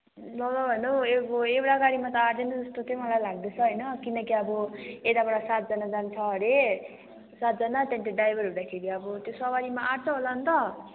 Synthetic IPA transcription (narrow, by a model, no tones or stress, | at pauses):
lʌlʌbʱʌnoeboewɽaɡaɽimat̪ʌaɾd̪enʌd͡zʌst̪ot͡sʌjmʌlajlaɡd̪et͡sʰʌɦʌjnʌkinʌkiʌbʌet̪abʌɽasat̪̚d͡zʌnad͡zant͡sʰʌɦʌɾe | sat̪̚d͡zʌnat̪anʈeɖajbʱʌɾɦud̪akʰeɾiʌbʌt̪josʌbaɾimaʔart͡sʰʌɦolant̪ʌ